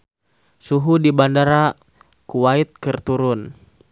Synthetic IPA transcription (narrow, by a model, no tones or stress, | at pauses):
suɦudibandaɾa | kuwait̪̚kɨrt̪uɾʊn